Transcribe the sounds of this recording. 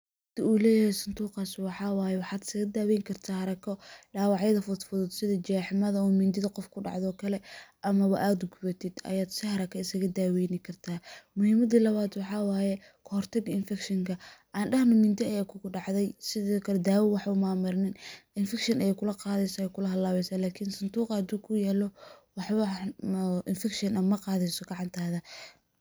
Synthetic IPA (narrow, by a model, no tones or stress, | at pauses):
ɐt̪ʰɐuːlɛːjɐhɛjsʊnd̪uːqɑːswɑħɑːwɑːjɛwɑħɑːd̪ɪ̥sɐɣɐd̪aːwɛːŋkʰɐrt̪ʰaːhɐɾɐkʰɔɖaːwɑʕjɐðɐfʊd̪fðʊd̪sɪðɐt͡ʃaːħmɐðɐuːmɪnd̪ɪðɐqɔfkʰʊɖɑ̰ʕd̪ɔːkʰɐlɛʔɐmɐβɐ̰ʔaːd̪ʊɡʊβɐt̪ʰɪd̪ɐ̰jaːd̪sɪhɐɾɐkʰɐɪsɐɣɐd̪aːwɛːnɪkʰɐrt̪ʰaːmʊhɪmɐd̪iːlɐβaːd̪wɑħɑːwaːjɛ | kʰʊhɔrt̪ʰɐɡɐɪnfɛkʃɐŋkʰɐʔaːnɖɐhnɐmɪnd̪ɪɐjaːkʰʊɣʊɖɑʕðɛjsɪðɔːkʰɐlɛd̪aːwɛwɑħʊmaːmʊɾnɪnɪnfɛkʃɐnʔɐjɛkʰʊlɐqɑːðɛjsɐjɛkʰʊlɐɦɐlːaːβɛsaːlaːkʰɪnsɐnd̪uːqɑɐd̪uːkʰʊjɛːlɔwɑħβɐ | ʔɪnfɛkʃɐnʔɐmːɐqɑːðɛsɔɡɑʕɑnt̪ʰaːðɐ